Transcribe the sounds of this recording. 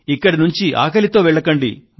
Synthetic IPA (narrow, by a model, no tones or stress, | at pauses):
ikːɐɽinuɲt͡ʃiʔa̰ːkɐlit̪o̞ːʋɛɭːɐkɐɳɖḭ